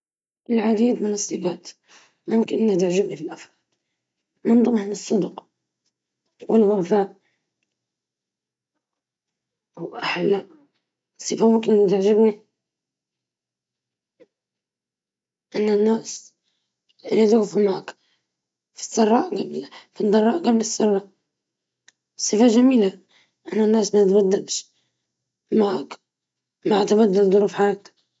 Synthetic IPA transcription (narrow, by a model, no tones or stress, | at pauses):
ʔɪlʕad̪iːd̪mɪnɨsˤːɨfaːt̪ | mʊmkɪnʔɪnːat̪ɪʕd͡ʒɪbnifɪlʔafɾˤɑːd̪ | mʊnd̪ˤʊmʕɪnɨsˤːʊd̪q | wɪlɣafaːʔ | wʔaħalːa | sˤːɨfamʊmkɪnʔnːat̪ɪʕd͡ʒɪbni | ʔanːanːaːs | ɪnid̪ɣfumaʕak | fi̥sˤːɑrˤːɑʔɡablfid̪ˤɑrˤɑːʔɡablɪsːɑrˤːɑ | sˤːɨfaʒamiːla | ʔanːanːaːsmat̪bad̪ːalʃ | maʕak | maʕat̪abad̪ːald̪ˤʊɾuːfħaɾˤɑk̚t̪